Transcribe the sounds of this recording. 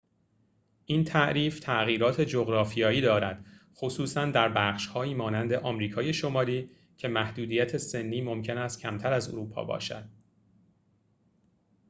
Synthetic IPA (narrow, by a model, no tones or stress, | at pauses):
ʔint̪ʰæʔɾiːft̪ʰæʔɣiːɾɒːt̪ʰe̞d͡ʒoɣɾɒːfijɒːjiːd̪ɒːɾæd̪̥xo̞suːsænd̪æɾbæːχʃhɒːjiːmɒːnænd̪e̞ʔɒːmɾiːkʰɒːje̞ʃo̞mɒːliː | cʰe̞mæhd̪uːd̪iːjæt̪ʰe̞se̞nːiːmo̞mcʰe̞næst̪̚cʰæmt̪ʰæɾæzo̰ɾuːpʰɒ̰ːbɒ̰ːʃæ̰d̪̥̚